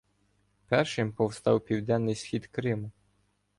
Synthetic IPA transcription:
pɛrʃɪmpɔwst̪ɑwpʲiwd̪ɛnːɪjsxʲid̪kɾɪmʊ

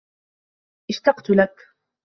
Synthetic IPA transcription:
ʔɪʃt̪ɑqt̪ʊlak

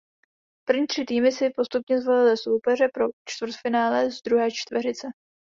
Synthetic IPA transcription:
pr̩vɲiːt̪r̝̥ɪt̪iːmɪsɪpo̞st̪upɲɛzvo̞lɪlɪso̞wpɛr̝ɛpɾo̞t͡ʃt̪vr̩t̪fɪnaːlɛzd̪ɾuɦɛːt͡ʃt̪vɛrɪt͡sɛ

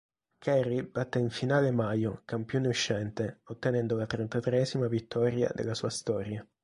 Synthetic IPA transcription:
kʰɛɾib̥at̪ːeiɱfinaːlemajokampjoneuʃːɛnt̪eot̪ːenɛnd̪olat̪ɾent̪at̪ɾeɛzimavit̪ːɔɾja̰d̪ḛlːasuːast̪ɔːɾja

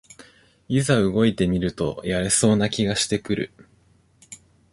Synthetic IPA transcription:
izaɯ̟ɡo̞it̪e̞mʲiɾɯ̟t̪o̞̰jaɾe̞so̞ːnakʲiɡaɕi̥t̪e̞kɯ̟ɾɯ̟̰

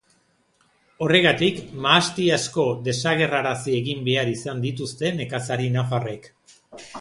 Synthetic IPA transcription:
o̞re̞ɣat̪ikmaːst̪iasko̞d̪e̞saɣe̞raɾasie̞ɣimbe̞aɾisand̪it̪ust̪e̞ne̞kasaɾinafare̞k

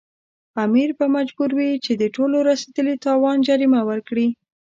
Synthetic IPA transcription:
amiɾbamad͡ʒbuɾwit͡ʃed̪əʈoloɾased̪əlit̪ɑwɑnd͡ʒaɾimawəɾkɽi

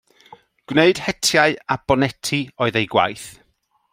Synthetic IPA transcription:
ɡ̥wneɨd̥hɛtʰjaɨab̥ɔnɛtʰiɔɨðejɡwa̰jθ

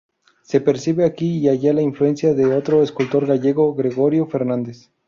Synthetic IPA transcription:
se̞peɾsiβeakiiaʝalaiɱflue̞nsjaðe̞ot̪ɾo̞eskult̪o̞ɾɣaʝe̞ɣo̞ɣɾe̞ɣo̞ɾjo̞fe̞ɾnãnd̪e̞s

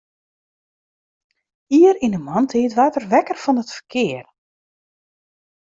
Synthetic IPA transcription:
iəɾinəmɔntʰiːtʋatərʋɛkərfɔnətfə̥rkʰɪər

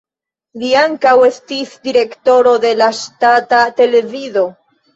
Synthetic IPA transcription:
liaŋkawe̞stisdiɾe̞kto̞ɾo̞de̞laʃtatate̞le̞vizo̞

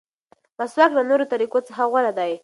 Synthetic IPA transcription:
laswaklanoɾot̪aɾikot͡səxawalad̪aj

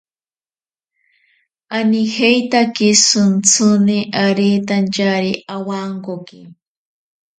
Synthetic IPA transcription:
anixejt̪akisunt͡sʰuneʔaɾet̪ant͡ʃaɾiʔawaŋkoki

